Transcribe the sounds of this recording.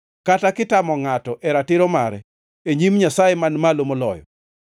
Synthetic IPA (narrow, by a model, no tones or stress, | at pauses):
katakɪtamɔŋatɔʔɛɾatɪɾɔmaɾɛ | eɲimɲasajemanmalomolɔ̰jɔ̰